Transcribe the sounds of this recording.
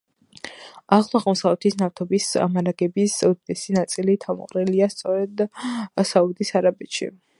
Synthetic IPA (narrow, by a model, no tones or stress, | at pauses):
aχlˠɔaʁlmɔsavlɛt̪ʰisnaɾt̪ʰɔbisa̰maɾaɡɛbisɔd̪d̪ɛsinat̪sʼilit̪ʰamɔ̰qʼɾɛliast̪sʼɔɾɛd̪saud̪isaɾabɛt̪ʃḭ